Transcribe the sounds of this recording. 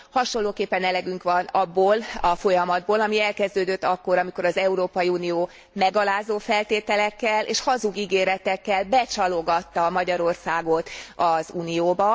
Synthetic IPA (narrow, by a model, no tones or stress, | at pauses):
hɒʃonlːoːkeːpːɛnɛlɛɡyŋkʋɒnɒbːoːlɒfo̞jɒmɒd̪̚boːlɒmiɛlkɛzd̪øːd̪øt̪ːɒkːo̞ɾɒmiko̞ɾɒzɛuɾoːpɒjiuːnioː | mɛɡɒlaːzoːfɛlt̪eːt̪ɛlɛkːɛlḛːʃhɒzuɡiɡeːɾɛt̪ɛkːɛlbɛt͡ʃɒlo̞ɡɒt̪ːɒmɒɟɒɾo̞rsaːɡo̞t̪ɒzuːnijoːbɒ